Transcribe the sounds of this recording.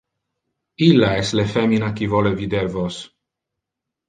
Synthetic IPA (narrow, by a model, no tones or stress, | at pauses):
ilːaɛst̪lefeminakivolevid̪eɾvos